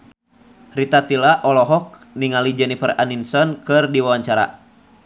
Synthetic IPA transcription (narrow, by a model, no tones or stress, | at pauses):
rit̪at̪ilaʔɔlɔɦɔk̚ | niŋalid͡ʒɛnifɛraninsɔnkɨrdiwawaɲt͡ʃaɾa̰